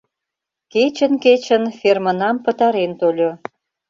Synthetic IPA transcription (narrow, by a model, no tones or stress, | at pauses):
ket͡ɕə̆nket͡ɕə̆nfʲermənɑmpə̆t̪ɑɾent̪olʲo